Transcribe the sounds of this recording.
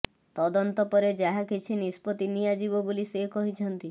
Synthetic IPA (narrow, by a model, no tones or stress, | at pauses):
t̪ɔd̪ɔnt̪ɔpɔɾed͡ʒaɦakit͡ʃʰinispɔt̪inijad͡ʒibɔbulisekɔɦit͡ʃʰɔnt̪i